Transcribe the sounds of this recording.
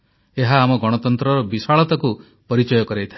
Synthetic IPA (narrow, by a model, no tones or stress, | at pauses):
eɦaːmɔɡɔɽ̃ɔt̪ɔnt̪ɾɔɾɔbisaɭɔt̪aku | pɔɾit͡ʃɔjɔkɔɾejt̪ʰa